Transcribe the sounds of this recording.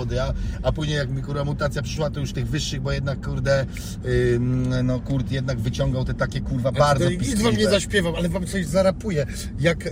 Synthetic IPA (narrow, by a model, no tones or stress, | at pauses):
ɔd̪aapuʑɲejakmʲikuɾamut̪at̪sʲjapʂɘ̥ʂwat̪ɔjuʂt̪ɘɣvɘʂːɘɣbɔjɛd̪nakːuɾd̪ɛ | nɔkuɾt̪jɛd̪naɡvɘt͡ɕɔŋɡawt̪ɛt̪akʲɛkuɾvabaɾd̪ɔpiid̪vamɲɛzaɕpʲjɛvamalɛvamt̪ɔʑzaɾapujɛ | jak